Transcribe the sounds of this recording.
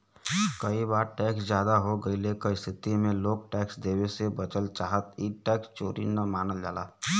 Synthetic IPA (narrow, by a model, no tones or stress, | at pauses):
kɐibaːɾʈɛːksd͡ʒjaːd̪aɦoɡɐilekɐist̪ʰɪt̪imẽloːk̚ʈɛːksd̪eːwesebɐt͡ʃəlt͡ʃaːɦət̪iʈɛːkst͡ʃoːɾḭnɐmaːnəld͡ʒaːlaː